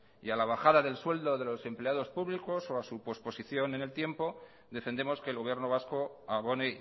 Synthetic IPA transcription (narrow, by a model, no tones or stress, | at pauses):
ialaβ̞axaðaðe̞lswe̞ld̪o̞ðe̞lo̞se̞mple̞aðo̞spuβliko̞so̞asupo̞spo̞siθjo̞ne̞nelt̪je̞mpo̞ | ðe̞fe̞nd̪e̞mo̞ske̞ːlɣo̞β̞je̞ɾnoβ̞asko̞aβo̞ne